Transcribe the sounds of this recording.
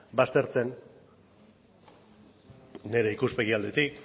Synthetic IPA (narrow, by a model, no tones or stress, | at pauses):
bast̪e̞ɾt͡se̞n | e̞ɾe̞ikuspe̞ɣ̞iald̪e̞t̪ik